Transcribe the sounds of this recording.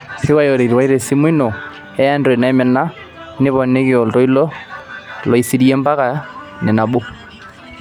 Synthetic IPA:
se˦wa˦jɔ˨ɾe˨ɾi˨wa˦i˦ɾɛ˨si˦mwi˦nɔ˨ | ɛ˦a˦ndɔ˨ɛ˨na˨ɛ˦mɛ˨na˦ | nɪ˦βɔ˨nɛ˦kɪɔ˨ltɔ˦i˦lɔ˦ | lɔ˨i˨si˦ɾi˦ɛ˦mba˦ka˨ | nɛ˨na˨bo˦

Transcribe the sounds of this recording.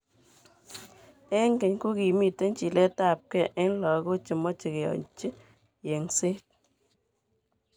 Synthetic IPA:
e˦ŋɡe˨ɲku˦ki˨mi˨te˦nt͡ʃi˨le˦ta˦˨p̚kɛ˦˨ʔe˦n˦lɔ˨˦ɣo˦t͡ʃi˨mɔ˦t͡ʃi˨ke˨ɔ̰˨ɲt͡ʃi˦ | je˨ŋse˦t̚

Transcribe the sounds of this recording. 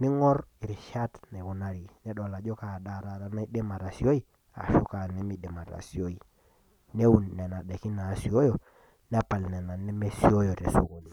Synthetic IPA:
ni˦ŋɔ˦ɾi˨ɾi˨ʃa˦tne˨wu˨na˨ɾi˨nɛ˦ɗɔ˨la˨d͡ʒo˦ka˨da˦˨ɾa˨ta˨na˦i˦de˦ma˨ta˨si˦o˦i˦˨ | a̰˨ʃu˦ka˨nɛ˦mi˦de˨ma˨ta̰˨si˨o˦i˨ | ne˦u˦˨nːe˨na˨ɗe˨ki˦naː˨si˨o˦jo˨ | ne˦pa˨lnɛ˨na˨ni˦me˦si˦o˦jo˨te˨su˦ku˨n˨

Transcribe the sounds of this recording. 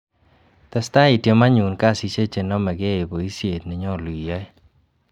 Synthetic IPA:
t̪ɛ˦sta˦i˨te˦ma˦ɲu˨nka˦˨si˨˧t͡ʃe˦t͡ʃe˨nɔ˦mɛ˨ɡe˦e˨bo˨i˦sje˨tnɛ˨ɲɔ˦˨li˨ja˦

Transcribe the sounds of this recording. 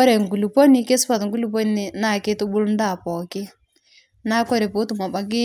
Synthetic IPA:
ɔ˦ɾɛ˨ŋ˨ɡu˨lu˨pɔ˦ni˦ke˦sʊ˦pa˨tŋ̩ɡu˦lu˨p̬ɔ˦ni˨˦nɪ˨na˦˨ke˦tʊ˦bʊ˦ln˦da˦˨pɔ˨kɪ˦ | na˦kɔ˦ɾɛ˨po˨˦tʊ˨ma˨ba˨k̬ɪ˦

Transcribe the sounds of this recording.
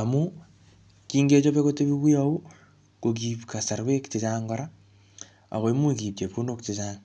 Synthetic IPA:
a˨mu˦ | kiː˦ŋɡe˦t͡ʃo˦βe˦ko˦te˦βi˦βi˦au˦ | ko˨k̬i˨pka˨sa˨ɾwe˦ktit͡ʃa˦ŋɡo˦ɾa˦ | a̰˨ɣo˨i˦mu˦ki˨p̚t͡ʃe˨pu˦no˦ktit͡ʃaːŋ

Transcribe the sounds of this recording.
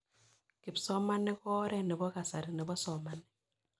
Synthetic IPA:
kɪ˨psɔ˦ma˦nɛ˦kɔ˦ɾɛ˦nɪ˨bɔ˦ka˨sa˨ɾɪ˨nɪ˨bɔ˦sɔ˨ma˦nɛ˨

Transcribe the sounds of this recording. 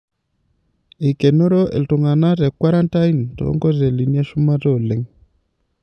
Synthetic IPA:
i˨ke˨no˦ɾo˦ʔḛ˨ltu˨ŋa˨na˦tɛ˨kwa˦ɾa˦nta˦i˦ntɔ̰˨˦ŋɡɔ˦te˨li˨nja˦ʃu˦ma˦tɔ˦˨le˨ŋ

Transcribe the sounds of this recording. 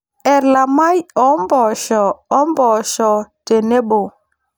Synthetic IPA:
ɛ˨ɾla˨ma˦jɔ˨˦mbɔ˨ʃɔː˨˦mbɔ˨ʃɔ˨te˨ne˦ɓo˨

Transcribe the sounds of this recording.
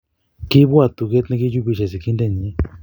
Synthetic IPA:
ki˦βwa˧˨t̪u˧˨ke˦t̪nẽ˦ki˦ju˦βi˧ʃe˧˨si˨ki˦nd̪e˧˨ɲĩ˧˦

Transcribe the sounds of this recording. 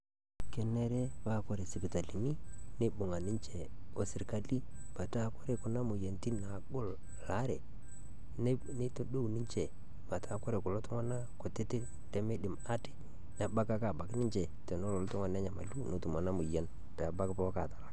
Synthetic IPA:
kɛ˨nɛ˦ɾɛ˦ba˦˨kɔ˦ɾe˨sɪ˨pi˨ta˨li˨ni˦ne˦bʊ˨ŋa˨nɪ˦ɲt͡ʃɛ˨ | o˨sɪ˨ɾka˦li˦ | b̥a˨ta˦kɔ˦ɾe˨kʊ˨na˦mʊ˨je˨nti˦na˨ɡʊ˦l | la˨˦ɾɛ˨ | n˦ | ne˦to˦ɗo˦wnɪ˦ɲt͡ʃɛ˨ | ma˨ta˦kɔ˦ɾe˨kʊ˨lɔ˦tʊ˦ŋa˦na˦kʊ˨tɪ˦tɪ˦ | ntɛ˦me˦ɗɪ˨ma˦tɪ̥˨ | na˨ba˦ka˦ka˨ba˨knɪ˦ɲt͡ʃɛ˨tɛ˨no˦lɔ˨ltʊ˦ŋa˨nɛ˦ɲa˨ma̰˨lu˦no˨tu˨ma˨na˦mʊ˨jɛ˦n | pɛ˨a˨ba˦kpɔ˦ka˨tḁ˨la˦k

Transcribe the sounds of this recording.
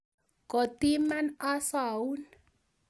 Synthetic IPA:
kɔ˨t̪i˦mana˦sa˨u˦n

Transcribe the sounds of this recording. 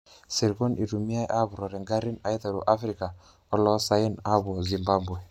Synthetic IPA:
si˨ɾɡɔ˦nʔi˨ɾu˨mi˦a˦jʔa˦bu˨ɾɔ˨ɾɛ˨ŋɡa˦ɾi˦na˨jta˨ɾṵ˨ʔa˦fɾi˨ka˨ | ɔ˦lɔ˦sa˦i˦na˦bɔ˨zi˨mba˦bwɛ˨

